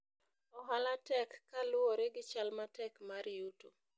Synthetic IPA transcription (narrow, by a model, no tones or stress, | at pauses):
ɔɦalatɛkːalʊoɾeɡɪt͡ʃalmatɛkmaɾɪjuto